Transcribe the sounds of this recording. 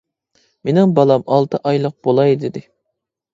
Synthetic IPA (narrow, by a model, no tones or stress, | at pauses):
menɪŋbɑlˠɑmɑlˠt̪ʰɨʔɑjlˠəq̚bolˠɑjd̪ɪd̪ɪ